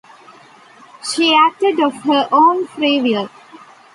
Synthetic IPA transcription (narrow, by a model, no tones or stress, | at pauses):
ʃiːæk̚ʈeɖɔʋhəʔõːnfɾiːʋiəɾ